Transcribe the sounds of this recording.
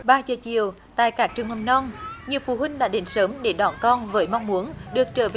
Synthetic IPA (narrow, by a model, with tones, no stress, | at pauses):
ɓaː˧t͡ɕəː˨˩t͡ɕḭ˧˨əw | t̪a̰ː˧˨jkaː˦˥k̚t͡ɕɨ˨˩əŋhə˨˩nɔ˧nɲi˨˩əwfu˧˩ɦwï˧ŋ̟ɗa̰ː˧˥ɗe˨˦nsəː˨˦mɗe˧˩ɗwaː˧˩nkɔ˧nvəː˨˦jmɔ˧wŋ͡mmu˨˦ənɗɨ˨˩ək̚t͡ɕəː˧˩ve˨